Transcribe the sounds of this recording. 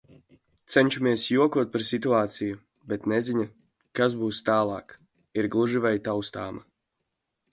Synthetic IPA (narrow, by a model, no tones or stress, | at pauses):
t̪sɛnʲt͡ʃumiɛsjuɔkuɔt̪̚paɾsit̪uaːt̪siju | bet̪nɛziɲa | kaz̬buːst̪aːlˠɑ̰ːk | iɾɡlˠuʒivajt̪awst̪aːma